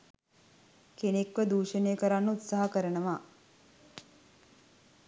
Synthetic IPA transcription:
kenekʋəd̪uːʃəneːkəɾanːəut̪saɦəkəɾənəʋaː

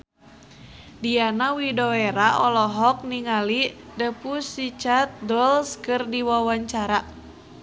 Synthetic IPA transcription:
dianawidoeɾaʔɔlɔɦɔk̚niŋalidəpusit͡ʃat̪̚dɔlskɨrdiwawaɲt͡ʃaɾa

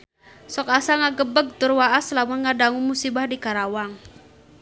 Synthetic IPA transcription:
sɔkasaŋaɡəbəɡ̚t̪ʊrwaaslamaŋadaŋumusibahdikaɾawaŋ

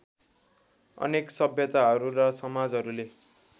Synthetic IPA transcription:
ʌ̰neksʌbʱjʌt̪aɦʌɾuɾasʌmad͡zɦʌɾule

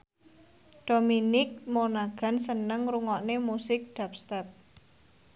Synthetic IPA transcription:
ɖ̥o̤minɪk̚monaɡ̥a̤nsənəŋɾuŋɔʔnemusɪk̚ɖ̪̥ap̚st̪ɛp̚

